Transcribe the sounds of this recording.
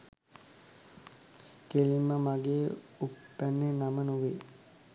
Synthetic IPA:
kelimːəmaɡeː | upːænːenamənuʋe

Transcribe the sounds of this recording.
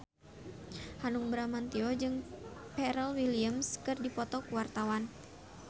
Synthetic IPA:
hanuŋbɾamant̪iɔd͡ʒɨŋpɛɾɛlwiliəmskɨrdipɔt̪ɔkuwart̪awan

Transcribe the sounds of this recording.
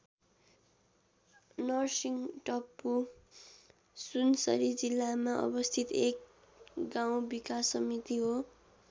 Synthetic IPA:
nʌrsiŋʈʌpːu | sunsʌ̰ɾid͡zilːamaʔʌ̰bʌst̪ʰit̪ek | ɡaw̃bikasːʌmit̪iɦo

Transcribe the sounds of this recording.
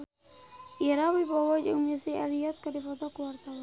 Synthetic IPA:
ʔiɾawibɔwɔd͡ʒəŋmisialiɔt̪̚kədipɔt̪ɔkəwart̪awan

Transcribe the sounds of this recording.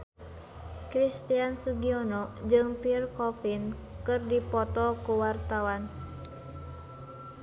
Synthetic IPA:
kɾist̪iansuɡiɔnɔd͡ʒɨŋpirkɔfinkɨrdipɔt̪ɔkuwart̪awan

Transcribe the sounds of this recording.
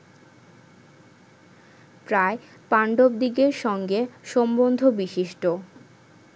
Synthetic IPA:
pɾae | paɳɖob̚d̪iɡeɾʃɔŋɡeʃɔmbond̪ʱobiʃiʃʈo

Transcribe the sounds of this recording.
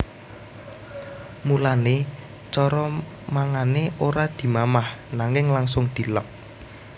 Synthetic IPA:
mulane | t͡ʃɔɾɔ | maŋaneʔoɾad̪̥i̤mamahnaŋɪŋlaŋsʊŋd̪̥i̤lək̚

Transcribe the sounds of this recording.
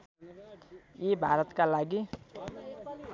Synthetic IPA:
jebʱaɾʌt̪kalaɡi

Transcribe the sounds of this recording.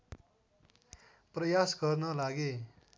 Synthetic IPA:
prʌjasɡʌrnʌlaɡe

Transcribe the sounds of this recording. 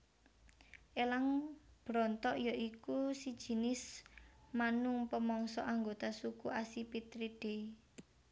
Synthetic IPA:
ʔelaŋb̥ɾɔnt̪ɔʔjɔʔikusid̥ʒ̥i̤nɪs | manʊŋpəmɔŋsɔʔaŋɡot̪asukuʔasipit̪ɾiɖ̥e

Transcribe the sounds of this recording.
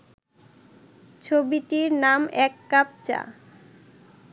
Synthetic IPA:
t͡ɕʰobiʈiɾnamɛkːap̚t͡ɕa̰

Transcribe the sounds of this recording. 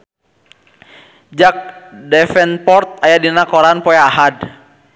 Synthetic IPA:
d͡ʒak̚dɛfɛnpɔrt̪̚ajadinakɔɾanpɔjaɦad

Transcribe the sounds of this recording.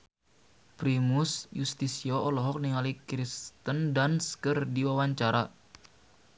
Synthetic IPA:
pɾimusjust̪isiɔɔlɔɦɔk̚niŋalikɾist̪əndanskərdiwawaɲt͡ʃaɾa

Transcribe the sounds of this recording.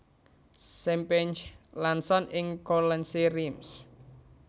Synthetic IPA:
sɛmpɛɲt͡ʃlansɔnɪŋkolɛnsirims

